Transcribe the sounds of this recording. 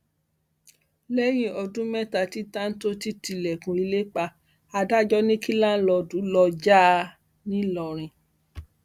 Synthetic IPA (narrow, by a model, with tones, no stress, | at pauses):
lɛ˦j̃ĩ˧ɔ˧dũ˦mɛ˦ta˦˨ti˦tã˦n̩˦to˦ti˦ti˧lɛ˨kũ˨i˧le˦k͡pa˧ | a˧da˦d͡ʒɔ˦nĩ˦ki˦lã˦lɔ˧du˨˦lɔ˧d͡ʒa˦˧ | nĩ˦lɔ˧˨ɾ̃ĩ˧